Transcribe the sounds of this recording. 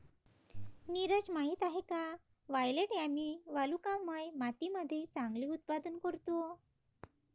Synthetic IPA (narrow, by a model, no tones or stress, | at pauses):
niɾəd͡ʑmaɦiːt̪aɦeka | ʋajleʈjamiʋalukamːəjmat̪iməd̪ʱːet͡sãŋɡliːut̪̚pad̪ənkəɾt̪o